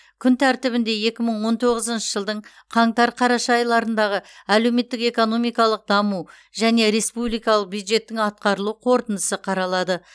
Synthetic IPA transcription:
kʲʰʏnt̪ʰæɾt̪ɪβɪnd̪e̞je̞kʲɪməɴwo̞nt̪ʰo̞ʁəzənʃəʒəlˠd̪əɴ | qʰɑɴt̪ɑɾqʰɑɾɑʃɑjlˠɑɾənd̪ɑʁəæle̞wme̞t̪ːɪke̞ko̞no̞mijkɑlˠəq̚d̪ɑmu | ʒæne̞ɾe̞spublˠijkɑlˠəq̚bjud̪ʒe̞t̪ːɪŋɑt̪̚qɑɾəlˠuqʰo̞ɾt̪ənd̪əsəqʰɑɾɑlˠɑd̪ə

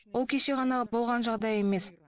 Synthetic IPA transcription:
wo̞lˠkʲʰeʃe̞ʁɑnɑbo̞lˠʁɑnʒɑʁd̪ɑje̞me̞s

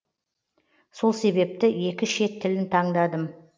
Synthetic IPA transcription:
so̞lˠse̞βe̞p̚t̪ɪe̞kʲɪʃe̞t̪ʰːɪlɪnt̪ʰɑɴd̪ɑd̪əm

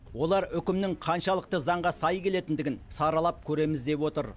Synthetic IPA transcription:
wo̞lˠɑɾʏkʲɪmnɪŋqʰɑnʃɑlˠəq̚t̪əzɑɴʁɑsɑjkʲʰe̞le̞t̪ɪnd̪ɪɡʲɪnsɑɾɑlˠɑp̚kʲʰɵɾe̞mɪzd̪e̞pwo̞t̪əɾ

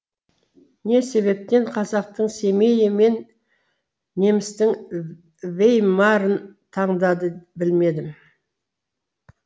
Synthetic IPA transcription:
ne̞se̞βe̞p̚t̪e̞ɴqʰɑzɑq̚t̪əɴse̞me̞jeme̞n | e̞mɪst̪ɪŋ | vejmɑɾənt̪ʰɑɴd̪ɑd̪əbɪlme̞d̪ɪm

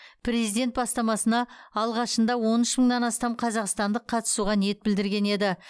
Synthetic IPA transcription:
pre̞zijd̪e̞nt̪̚bɑst̪ɑmɑsənɑːlˠʁɑʃənd̪ɑwo̞nʏʃməɴd̪ɑnɑst̪ɑmqʰɑzɑqst̪ɑnd̪əqʰːɑt̪ə̥suʁɑnijet̪̚bɪld̪ɪɾɡʲe̞ne̞d̪ɪ

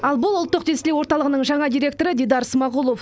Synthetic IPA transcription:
ɑlˠbʊlˠʊlˠt̪ːəqd̪esɪlewoɾt̪ɑlˠəʁənəɴʒɑɴɑd̪iɾʲe̞k̚t̪o̞ɾəd̪ʲejd̪ɑɾsmɑʁulˠo̞f

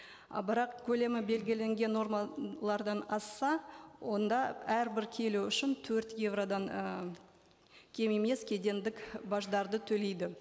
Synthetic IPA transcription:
bɪɾɑqkʲʰɵle̞mɪbe̞lɡʲɪle̞ŋɡʲe̞nːo̞ɾmɑlˠɑɾd̪ɑnɑsːɑwo̞nd̪ɑæɾbɪɾkʲʰe̞luʏʃɪnt̪ʰɵɾt̪je̞vrod̪ɑŋ | kʲʰe̞meme̞skʲʰed̪e̞nd̪ɪkbɑʒd̪ɑɾd̪ət̪ʰɵle̞jd̪ɪ

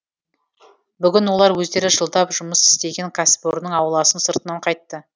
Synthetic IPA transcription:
bʏɡʲɪnwo̞lˠɑɾwɵzd̪e̞ɾɪʒəlˠd̪ɑpʒʊməsɪ̥st̪e̞ɡʲe̞ŋkʰasboɾnəɴɑwlˠɑsənsəɾt̪ənɑɴqʰɑjt̪ːə

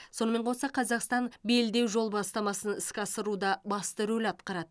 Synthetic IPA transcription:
so̞nəme̞ɴqʰosɑqʰɑzɑqst̪ɑnbe̞ld̪e̞wʒo̞lˠbɑst̪ɑmɑsənɪskʲɑsəɾud̪ɑbɑst̪əɾɵlɑt̪qɑɾɑd̪ə

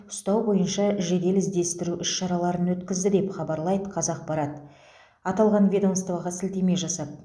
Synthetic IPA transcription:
ʊ̥st̪ɑwbo̞jənʃɑʒe̞d̪e̞lɪzd̪e̞st̪ɪɾuʔʏʃʃɑɾɑlˠɑɾənwɵt̪kʲɪzd̪ɪd̪e̞pχɑbɑɾlˠɑjd̪əqʰɑzɑq̚bɑɾɑt̪ | ɑt̪ɑlˠʁɑnvʲed̪amst̪vɑʁɑsɪlt̪e̞me̞ʒɑsɑp̪̚

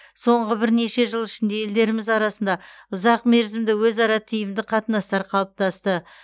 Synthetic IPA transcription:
so̞ɴʁəbɪɾne̞ʃe̞ʒəlˠɪʃɪnd̪e̞je̞ld̪e̞ɾɪmɪzɑɾɑsənd̪ɑʊzɑqme̞ɾzɪmd̪ɪwɵzɑɾɑt̪ʰijɪmd̪ɪqʰɑt̪ənɑst̪ɑɾqʰɑlˠəp̚t̪ɑst̪ə

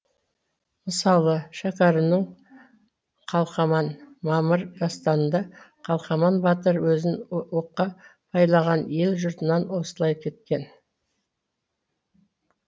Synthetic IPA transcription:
məsɑlˠəʃɑkɑɾənəɴ | qʰɑlˠχɑmɑnmɑməɾʒɑst̪ɑnənd̪ɑ | qʰɑlˠχɑmɑnbɑt̪əɾwɵzɪnwoqːɑpʰɑjlˠɑʁɑnje̞lʒʊɾt̪ənɑnwo̞səlˠɑjkʲʰe̞t̪̚kʲe̞n

